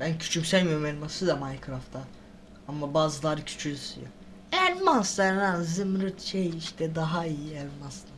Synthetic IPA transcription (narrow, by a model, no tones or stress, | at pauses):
b̥æncʰy̥t͡ʃʰymsælʲmijoɾumɛlʲmasɯd̪amajkʰɾaft̪ʰa | amːabaːzɯlˠaɾɯcʰy̥t͡ʃʰylʲysḭja | ɛlʲmansd̪anhazɯmɾɯt̪ʃejiʃt̪ʰɛd̪aɦaijiɛlʲmasd̪a